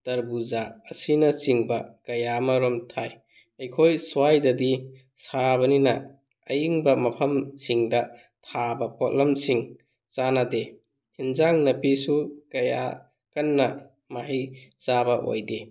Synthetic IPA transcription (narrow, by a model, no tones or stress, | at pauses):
tɐɾbuzaːsinɐsiŋbɐkɐjamɐɾɔmtʰaj | ɐjkʰojswajdɐdi | saβɐninɐ | ɐjiŋbɐmɐpʰɐmsiŋdɐ | tʰabɐpɔt̚lɐmsiŋ | t͡ʃanade | hinzaŋnɐpisukɐja̰ | kɐnːɐ | maɦijsabɐʔo̰jde